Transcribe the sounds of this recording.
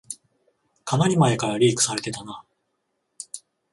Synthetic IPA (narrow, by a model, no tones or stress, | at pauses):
kʰamaɾʲimaekaɾaɾʲiːkɯ̟̥saɾe̞t̪e̞t̪ana